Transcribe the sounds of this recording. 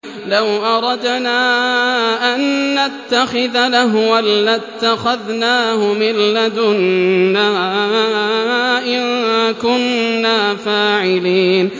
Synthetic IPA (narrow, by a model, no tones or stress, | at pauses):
lawʔɑɾˤɑd̪naː | ʔanːat̪ːaxɪðalaɦwalːat̪ːaxaðnaːhʊmɪlːad̪ʊnːaː | ʔɪnkʊnːaːfaːʕɪliːn